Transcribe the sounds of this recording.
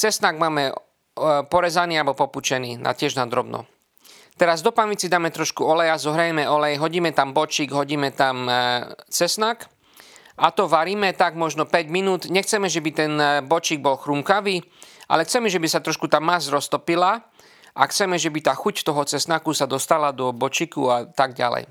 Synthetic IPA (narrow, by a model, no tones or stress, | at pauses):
t͡sɛsnaɡmaːmɛ | pɔɾɛzaniːalbɔpɔput͡ʃɛniːna̰cɪɛʒnad̪ɾɔbnɔ̰ | t̪ɛɾazd̪ɔpanʋit͡sid̪aːmɛt̪ɾɔʃkuɔlɛjazɔɦɾajɛmɛɔlɛjɦɔɟiːmɛt̪ambɔt͡ʃiːɡɦɔɟiːmɛt̪am | t͡sɛsnak | ʔat̪ɔʋaɾiːmɛt̪aɡmɔʒnɔpɛɟminuːt̪ɲɛxt͡sɛmɛʒɛbit̪ɛnbɔt͡ʃiːɡ̚bɔlxɾumkaʋiːʔa̰lɛxt͡sɛmɛʒɛbisat̪ɾɔʃkut̪aːmːazɾɔst̪ɔpila | ʔaxt͡sɛmɛʒɛbit̪aːxuct̪ɔɦɔt͡sɛsnakusad̪ɔst̪alad̪ɔbɔt͡ʃikṵat̪aɡɟa̰lɛ̰j